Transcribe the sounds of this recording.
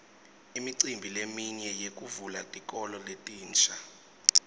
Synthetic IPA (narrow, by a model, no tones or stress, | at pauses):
imiǀimbʱilemiɲɛjek̬ʼuvulatʼik̬ʼɔlɔletʼiːnt͡ʃʰʼa